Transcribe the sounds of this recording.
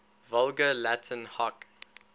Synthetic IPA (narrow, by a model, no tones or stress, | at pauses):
vʌlˠɡəlætʰə̃nhɔk